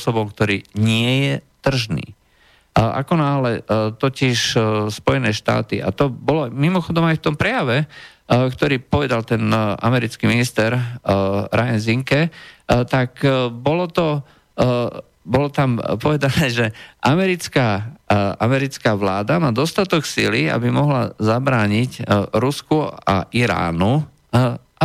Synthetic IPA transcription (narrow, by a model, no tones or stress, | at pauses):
ɔsɔbɔmkt̪ɔɾiːɲɪɛjɛt̪r̩ʒnḭː | ʔa̰kɔnaːlɛt̪ɔcɪʃspɔjɛnɛːʃt̪a̰ːt̪iʔa̰t̪ɔbɔlɔmimɔxɔd̪ɔmajft̪ɔmpɾɛjaʋɛ | kt̪ɔɾiːpɔʋɛd̪alt̪ɛnʔa̰mɛɾit͡skiminist̪ɛɾ | ɾajɛnziŋkɛt̪akbɔlɔt̪ɔ | bɔlɔt̪ampɔʋɛd̪anɛːʒɛʔamɛɾit͡ska | amɛɾit͡skaːʋlaːd̪amaːd̪ɔst̪at̪ɔksḭlia̰bimɔɦlazabɾaːɲicɾuskua̰ʔiɾa̰ːnu